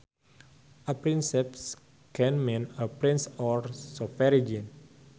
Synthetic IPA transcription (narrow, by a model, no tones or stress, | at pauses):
ʔəpɾinsɛps | kɛ̃nmẽnəpɾĩnsɔɹsɔfɛɾid͡ʒĩn